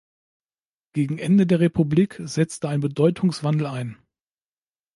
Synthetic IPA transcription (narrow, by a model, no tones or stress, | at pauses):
ɡ̥eːɡŋ̩ʔɛndədeːɐʁepʰubliːkz̥ɛt͡stəaɪnbədɔʏtʰʊŋsv̥andl̩aɪn